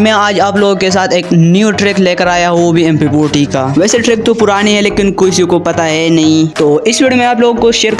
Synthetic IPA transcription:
mẽaːd͡ʒaːploːɡkes̬aːt̪ʰeːknjuːʈɾɪkleːkəɾaːjaɦobʱiɛ̃ːmpipoːʈikaːʋɛːseʈɾɪk̚t̪opʊɾaːniɦɛleːkɪnkʊsikopɐt̪aɦɛnɐɦĩt̪oːɪswiːɽmẽaːploːɡkoʃeːɾ

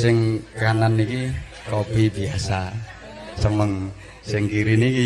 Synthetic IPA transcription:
sɪŋkananiki | kob̥ibiasa | səməŋ | sɪŋkiɾiniki

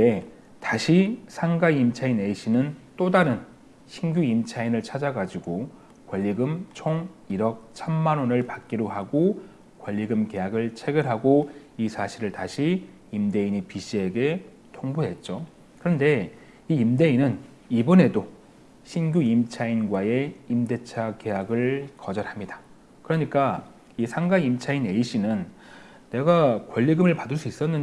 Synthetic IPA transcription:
e | taɕʰisʰaŋɡaiimt͡ɕʰaine̞ɕʰinɯnt͈odaɾɯn | ɕʰinɡʲjuimt͡ɕʰainɯɭt͡ɕʰad͡ʑaɡad͡ʑiɡo | kwʌʎːiɡɯmt͡ɕʰoŋiɾʌk̚sʰamːanwonɯɭpak̚k͈iɾoɦaɡo | kwʌʎːiɡɯmke̞jaɡɯɭt͡ɕʰe̞ɡɯɾɦaɡoisʰaɕʰiɾɯɭtaɕʰiː | mde̞iɲipiɕ͈ʰie̞ɡe̞ | tʰoŋbuɦe̞t̚t͡ɕ͈o | kɯɾʌnde̞ | iːmde̞inɯn | ibʌne̞do | ɕʰinɡjuimt͡ɕʰainɡwae̞imde̞t͡ɕʰake̞jaɡɯɭkʌd͡ʑʌɾhamɲidḁ | kɯɾʌɲik͈a | isʰaŋɡaimt͡ɕʰaine̞iɕ͈ʰinɯnː | e̞ɡakwʌʎːiɡɯmɯɭpadɯɭs͈uis͈ʌnːɯn

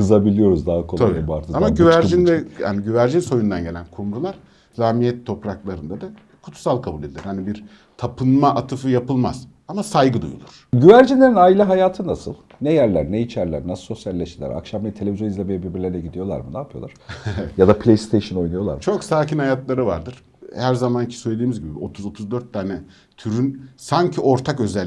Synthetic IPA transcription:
kɯzabilʲijo̞ɾuzd̪aɦakʰo̞nʰabiubaɾɯamaɟyvæɾʒinvɛha̰niɟyvæɾd͡ʒinso̞jund̪anɟe̞lʲænkʰumɾulˠaɾ̥ | zahmijɛt̪ʰːo̞pɾaklˠaɾɯnd̪ad̪a | kʰu̥t̪ʰu̥salˠkʰabuːlʲed̪ilʲiɾhanibiɾ | t̪ʰapʰɯnmaʔat̪ʰɯfɯjapɯlˠma̰z̥ | amasajɡɯd̪ṵjṵlˠuɾ̥ɟyvæɾd͡ʒinlʲeɾinaːilʲiɦajaːt̪ʰɯnasɯ̰lˠ | nɛjæɾlʲæɾnɛit͡ʃʰæɾlʲæ̰ɾnɛso̞sjalʲːeʃilʲæ̰ɾa̰kʃamet̪ʰe̞lʲe̞vizjonizʲemejɛbiɾbiɾlʲeɾɛɟid̪ijo̞lˠa̰ɾmɯnaːpʰɯjo̞lˠaɾ̥eevɛjad̪apʰlʲejst̪ʰejʃɯno̞jnujo̞lˠa̰ɾmt͡ʃʰo̞ksaːcʰinhajat̪lˠaɾɯva̰ɾd̪ɯɾ̥ | hæɾzamancʰi̥søjled̪iːmizɟibḭo̞t̪ʰuzo̞t̪ʰuzd̪øɾt̪ʰːaːnɛ | t̪ʰyɾynsaɲcʰio̞ɾt̪ʰakø̞zɛlʲ

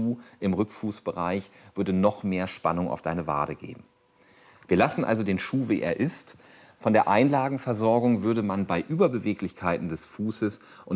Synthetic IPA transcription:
uːʔɪmʁʏkfuːsb̥əʁaɪçv̥ʏɐdənɔχmeːɐʃpa̰nʊŋa̰ʊfd̥aɪnəva̰ːdəɡḛːbm̩ | viːɐlasn̩ʔa̰lzodeːnʃuːveːʔḛːɐʔɪst | fɔndeːɐʔaɪnlaːɡŋ̩fɛɐzɔɐɡʊŋvʏɐɾəmanbaɪʔyːbɐbəveːklɪçkʰaɪtn̩dɛsfuːsəs | ʔʊn

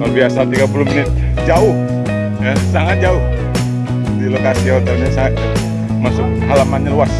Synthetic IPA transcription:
kalbiasat̪iɡapuluhminɪt̪̚ | d͡ʒaʊh | jasaŋat̪̚d͡ʒaʊh | dilokasihot̪ɛlɲasaat̪̚ | masʊk̚ | halamanɲaluas

